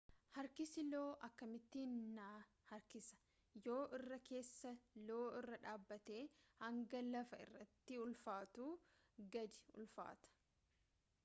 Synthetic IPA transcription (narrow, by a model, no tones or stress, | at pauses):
hɐɾkɪsɪloːʔɐkːɐmɪt̪ːinːaː | hɐɾkɪsɐ̥ | jo̞ːʔɪrːɐke̞ːsːɐlo̞ːɪrːɐᶑaːbːɐt̪eːhɐŋɡɐlɐfɐɪ̰rːɐt̪ːɪʊlfaːt̪uː | ɡɐd̪ɪ̥ʊ̰lfa̰ːt̪ɐ̥